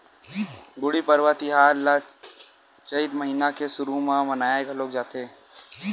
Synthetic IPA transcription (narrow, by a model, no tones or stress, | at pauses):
ɡʊɽipəɾwat̪iɦaːɾla | t͡ʃəɪt̪məɦiːnakesʊɾumãmənaːjeɡaloːɡ̚d͡ʒaːt̪eː